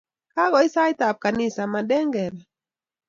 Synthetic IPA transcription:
ka˦ɡɔi˦sa˦jt̪ap̚kani˦samaɗɛ˦ŋɡɛ˨ɾɛ

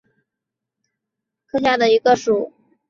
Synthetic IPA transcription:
kʰɤ˥˧ɕja˥˩d̪ə˩i˧˥ɡə˧ʂu˨˩˦

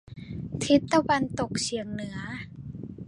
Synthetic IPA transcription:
t̪ʰi˦˥t̪ːa˧wa˧nt̪o˨˩k̚t͡ɕʰi˨˩əŋnɯ˩˦ɐ

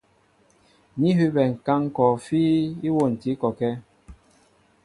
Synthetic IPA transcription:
ni˦ɦʉ˦bɛ˨ŋ̩˨ka˦ŋ˦kɔ˨fiː˦i˦wo˦˨n̩˨ti˨˦kɔ˨kɛ˦

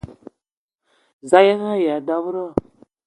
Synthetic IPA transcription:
za˦ja˦ɣa˦˨ja˨da˦vɾa˦

